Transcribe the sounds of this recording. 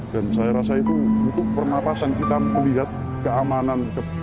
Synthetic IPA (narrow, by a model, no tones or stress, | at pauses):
d̥ansajaɾasait̪uunt̪ʊk̚pərnapasankit̪aməliɦat̪̚ | kəamanankə